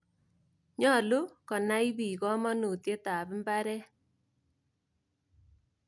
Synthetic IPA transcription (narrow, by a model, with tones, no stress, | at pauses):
ɲɔ˦˨lu˦kɔ˨na˦i˦bi˨kɔ˦mɔ˦nu˨tje˦ta˨bɪ˦mba˦ɾɛ˦